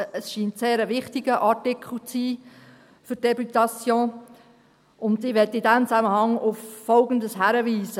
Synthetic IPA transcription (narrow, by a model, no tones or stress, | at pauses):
əsʃiːntseːɾəʋɪχtɪɡ̥əʔɑtɪkʰl̩t͡siː | fʏd̥ebytɑt͡sjõː | ʊntiʋɛtɪdɛmt͡sæməhɑŋʊfːɔlɡəndəshæɾəviːzə